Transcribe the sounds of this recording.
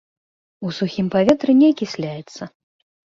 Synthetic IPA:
usuxʲimpavʲɛt̪ɾɨnʲɛkʲisʲlʲajɛt̪sːɐ

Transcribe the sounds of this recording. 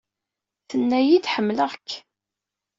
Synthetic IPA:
θənːæjid̪ħəmːləʁkː

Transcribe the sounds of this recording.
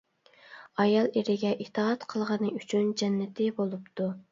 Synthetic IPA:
ɑjɑlˠeɾɪɡʲɛʔit̪ʰɑɑt̪qʰəlˠʁɑnɨyt͡ʃʰynd͡ʒɛnːɪt̪ʰɪbolˠupt̪u

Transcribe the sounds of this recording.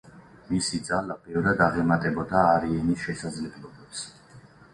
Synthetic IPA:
misid̪zalabɛvɾad̪aʁɛmat̪ʼɛbɔd̪aːɾiɛnisʃɛsad̪zlɛblɔbɛps

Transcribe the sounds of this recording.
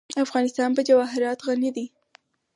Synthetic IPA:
afɣɑnɪst̪ɑnpəd͡ʒawɑɦɪɾɑt̪ɣanid̪i

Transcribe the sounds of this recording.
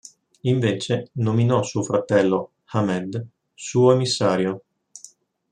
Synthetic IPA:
iɱveːt͡ʃenominɔsuofɾat̪ɛlːo | hamɛd̪ | suːoemisːaːɾjo

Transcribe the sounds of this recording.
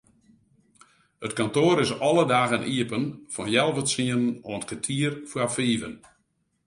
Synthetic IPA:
ətkantoːɾɪsɔlˠədaːɣənʔiəpənfɔnjɛlˠvəsiənənɔnətkʰətʰiərfwafiːvə̰n

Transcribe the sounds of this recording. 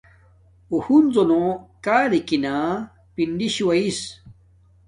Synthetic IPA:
uhunzonõkaːlikinã | pinɖiɕiwɐis

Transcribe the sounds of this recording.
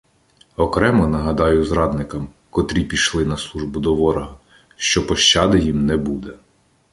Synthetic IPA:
ɔkɾɛmɔnɐɦɐd̪ɑjʊzɾɑd̪nɪkɐm | kɔt̪ɾʲipʲiʃlˠɪnɐslˠuʒbʊd̪ɔʋɔɾɐɦɐ | ʃt͡ʃɔpɔʃt͡ʃɑd̪ɪjimnɛbud̪ɛ

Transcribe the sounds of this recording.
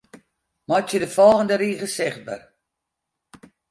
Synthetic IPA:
mɔtjədəfɔlˠɣəndəɾiːɣəsɪχt̚bə̰r

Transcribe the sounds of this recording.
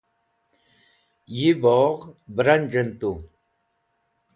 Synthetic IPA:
jiboːʁbɾand͡ʑənt̪u

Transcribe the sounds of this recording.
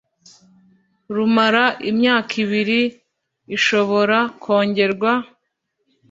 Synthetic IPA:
ɾumaɾaʔimɲaːkʰiβiɾiː | ʃo̞βo̞ɾakʰo̞ːɲɟe̞ɾɡwa

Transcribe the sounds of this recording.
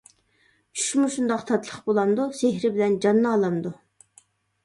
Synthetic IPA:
y̥ʃmuʃund̪ɑqt̪ʰɑt̪lˠəχbolˠɑnd̪useɦɾɪbɪlɛnd͡ʒɑnːɑɑlˠɑnd̪u

